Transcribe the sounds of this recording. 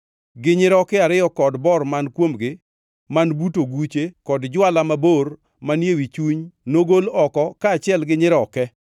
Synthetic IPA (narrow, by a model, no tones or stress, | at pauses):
ɡɪɲɪɾɔkɪaɾɪjɔkɔdbɔrmankwomɡɪ | manbutoɡut͡ʃekɔdd͡ʒwalamabor | manjewit͡ʃuɲnoɡolɔkɔkaːt͡ʃɪɛlɡɪɲɪɾɔkɛ